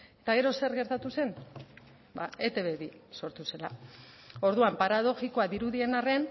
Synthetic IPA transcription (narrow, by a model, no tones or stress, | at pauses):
et̪aɣe̞ɾo̞se̞ɾɣe̞ɾt̪at̪use̞n | ba̰et̪e̞βeβiso̞ɾt̪use̞la | o̞ɾðuampaɾað̞o̞ʝiko̞aðiɾuðie̞nare̞n